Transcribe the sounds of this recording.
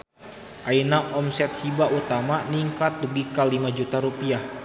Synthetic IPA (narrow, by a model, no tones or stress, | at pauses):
ʔainaʔɔmsɛt̪̚hibaʔut̪amaniŋkat̪̚ːuɡikalimad͡ʒut̪aɾupiah